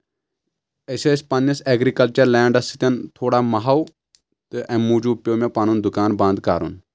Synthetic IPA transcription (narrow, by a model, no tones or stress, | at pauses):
esespɐnjɐseːɡɾikɐlt͡ʃɐɾlɛːɳɖɐst̪ʰi̥t̪ʲɐnt̪ʰoːɽaːmɐɦɐw | t̪ɨʔɛ̃muːd͡ʒupjoːmepaːnund̪ʊkaːnbɐ̃nd̪ka̰ːɾṵn